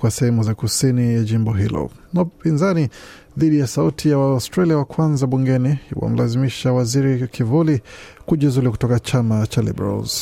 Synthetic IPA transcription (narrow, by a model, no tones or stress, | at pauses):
kwasɛhɛmuzakusinijaʄimbɔɦilɔ̰ | naupinzani | ðiɗijasautʰijawastɾaliawakwanzaɓuŋɡɛnihiwa̰m̩lʔazimiʃawaziɾikʰivuli | kuʄizuliku̥tɔkat͡ʃamat͡ʃalḭbɾa̰lz̥